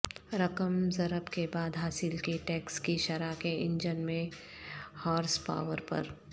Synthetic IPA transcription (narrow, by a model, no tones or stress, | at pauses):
ɾɐkəmzɐɾəbkebaːd̪ɦaːsɪlkeʈɛːkskiʃɐɾakeɪ̃ɲd͡ʒənmẽ | haːɾspa̰ːʋəɾpɐ̰ɾ